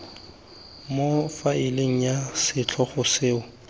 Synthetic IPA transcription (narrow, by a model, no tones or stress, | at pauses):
mofaɪleŋ̩jasɪt͡ɬʰɔχʊsɪːʊ